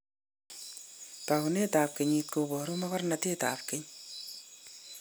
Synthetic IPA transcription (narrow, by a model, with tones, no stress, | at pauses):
ta˨ku˨ne˦ta˨p̚ke˨ɲi˧t̚ko˧bɔ˨ɾo˦ma˦kɔ˦rnate˦ta̰ː˨p̚ke˦ɲ